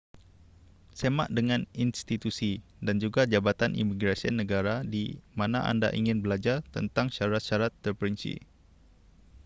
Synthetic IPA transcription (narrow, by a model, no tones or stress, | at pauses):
sema̰ʔdəŋãninst̪it̪usidand͡ʒuɡad͡ʒabat̪anʔḭmiɡɾasianə̃ɡaɾadimanaʔa̰nda̰ʔiŋɪnbəlad͡ʒart̪ə̰nt̪aŋʃaɾat̪̚ʃaɾat̪ːərpəɾinsḭ